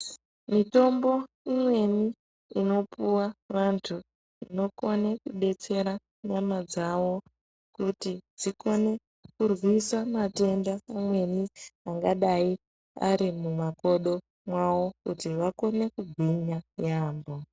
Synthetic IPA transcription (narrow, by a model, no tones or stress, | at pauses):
mito̞mbo̞ | imwe̞niː | no̞puwaʋantʰu | ino̞ko̞ne̞kuɓe̞t͡se̞ɾa | ɲamad͡zaʋo̞ | kutid͡ziko̞ne̞ | kurwisamate̞ndaːmwe̞niaŋɡaɗai | a̰ɾimumako̞ɗo̞ | mwawo̞kutiʋako̞ne̞kuɡʱwiɲajaːmbo̞